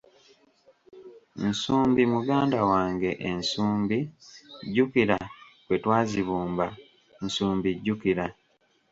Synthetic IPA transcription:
n̩suːmbimuɡaːndawaːŋɡe̞ʔensuːmbiɟːukiɾakwetwaːziβuːmba | n̩suːmbiɟːukiɾa

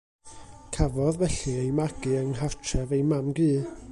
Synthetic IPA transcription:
kʰavɔðvɛɬɨejmaɡ̥ɨəŋɦartʰɛvejmamɡiː

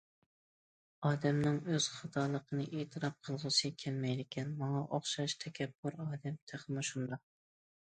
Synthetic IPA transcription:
ɑːd̪ɛmnɪŋøz̥χɑt̪ʰɑːlˠəqʰənɨʔeːt̪ʰɨɾɑp̚qʰəlˠʁəsɨkʲʰɛlmɛjd̪ɪkʲʰɛnmɑŋɑʔoχʃɑʃt̪ʰɛkʲʰɛbːuɾɑːd̪ɛmt̪ʰeχmɪʃund̪ɑ

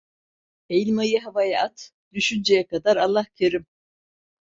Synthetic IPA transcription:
ejlʲmajaɦavajaʔat̪d̪̥yʃynd͡ʒejɛkad̪aɾalˠːahcʰeɾim

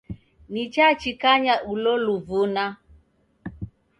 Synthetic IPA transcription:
nit͡ʃat͡ʃikaɲaʔulɔluvuna

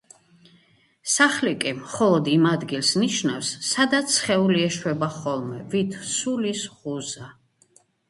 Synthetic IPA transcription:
saχlikʼimχɔlˠɔd̪imad̪ɡilsniʃnafsːad̪at̪sχɛuliɛʃwɛbaχɔlˠmɛvit̪ʰsulisʁuza

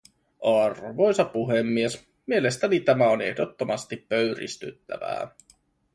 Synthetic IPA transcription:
ɑrʋo̞jsɑpuɦemːies | mie̞lest̪ænit̪æmæone̞̰hdo̞t̪ːomɑst̪ipːøɥɾḭst̪y̰t̪ːæ̰ʋæ̰ː

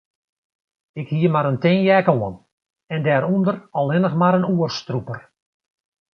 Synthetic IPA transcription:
ɪkhiəmaɾəntɪŋjɛkoən | ɛndɛːɾundərɔlˠʋɪnəxmaɾənuərstrupər

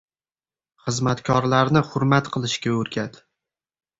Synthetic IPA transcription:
χɨzmat̪kʰɒɾlaɾnɪχʊɾmat̪qʰɨlˠɪʃkʲaɵɾɡʲad̪

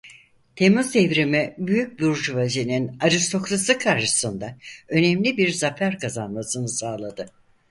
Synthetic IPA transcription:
t̪ʰe̞muzd̪evɾimibyjyc̚buɾd͡ʒuvazininaɾist̪ʰo̞klˠasɯkʰaɾʃɯ̥sɯnd̪aø̞nɛmlʲibiɾzafæɾkazanmasɯnɯsaːlˠad̪ɯ

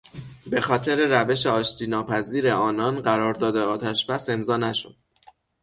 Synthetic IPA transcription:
be̞xɒːt̪ʰe̞ɾe̞ɾæve̞ʃe̞ɒːʃt̪ʰiːnɒːpʰæziːɾe̞ɒːnɒːnɢæɾɒːɾd̪ɒːd̪eɒːt̪ʰæʃb̥æse̞mzɒːnæʃo̰d̪̥

